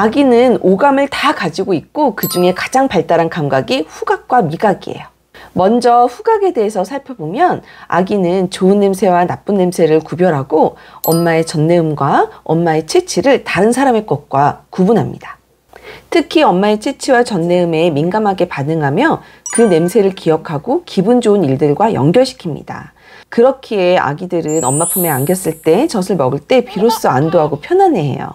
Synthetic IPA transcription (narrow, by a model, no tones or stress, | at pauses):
aɡinɯnoɡamɯɭtakad͡ʑiɡoik̚k͈okɯd͡ʑuŋe̞kḁd͡ʑaŋpaɭt͈aɾankamɡaɡiɸuɡak̚k͈wamiɡaɡie̞̰jo | mʌnd͡ʑʌɸuɡaɡe̞de̞ɦesʰʌsʰaɭpʰjʌbomjʌna̰ɡinɯnt͡ɕoɯnːe̞msʰe̞wanap͈ɯnːe̞msʰe̞ɾɯɭkubjʌɾɦaɡoʌmːae̞t͡ɕʌnːe̞ɯmɡwaʌmːae̞t͡ɕʰet͡ɕʰiɾɯɭtaɾɯnsʰaɾame̞k͈ʌt̚k͈wakubunɦamɲḭd̥ḁ | tʰɯkʰiʌmːaet͡ɕʰet͡ɕʰiwat͡ɕʌnːe̞ɯme̞minɡamɦaɡe̞panɯŋɦamjʌ | kɯne̞msʰe̞ɾɯɭkijʌkʰaɡokibund͡ʑoɯniɭdɯɭɡwajʌ̰ŋɡjʌɭɕʰi̥kʰimɲḭd̥a̰ | kɯɾʌkʰiea̰ɡidɯɾɯnʌmːapʰume̞aŋɡjʌs͈ɯɭt͈e̞t͡ɕʌsʰɯɭmʌɡɯɭt͈e̞piɾos͈ɯandoɦaɡopʰjʌnane̞ɦe̞̰jo̰